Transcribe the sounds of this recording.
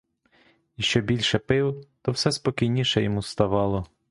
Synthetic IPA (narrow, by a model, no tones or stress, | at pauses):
iʃt͡ʃɔbʲilʲʃɛpɪwt̪ɔwsɛspɔkʲijnʲiʃɛjɔmust̪ɐʋɑlˠɔ